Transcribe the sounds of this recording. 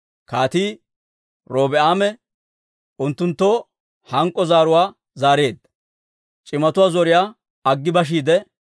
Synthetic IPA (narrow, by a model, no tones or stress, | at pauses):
kaːt̪iː | ɾo̞ːbɛaːmɛ | ʊnt̪ːʊnt̪ːo | hɐŋkʼːɔzaːɾʊwaː | zaːɾe̞ːd̪ɐ | t͡ʃʼɪmɐt̪ʊwaːzɔɾɪjaː | ɐɡːɪbɐʃ̬iːd̪ɛ